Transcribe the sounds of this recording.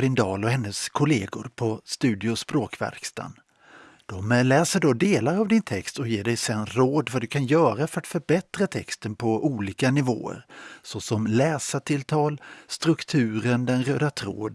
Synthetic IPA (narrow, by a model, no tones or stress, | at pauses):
ɾɪnd̪ɑːlɔhɛnːəskʰʊleːɡʊɾpʰɔst̪ʉ̟ːd̪ɪʊspɾoːkvæ̰ɾkst̪a̰n | d̪̥ɔmlɛːsəɖɔd̪eːlaɾavd̪ɪnt̪ʰɛkst̪ɔjeːɖɛjsɛnɾoːd̪vad̪ɵkʰanjœːɾafœɾat̪fœɾbɛt̪ɾat̪ʰɛkst̪ənpʰɔʔuːliːkanɪvo̰ːə̰ɾsɔsɔmlɛːsat̪ʰɪlt̪ʰɑːlst̪ɾɵkt̪ʰʉ̟ːɾənd̪ɛnɾøːd̪at̪ʰɾo̰ːd̪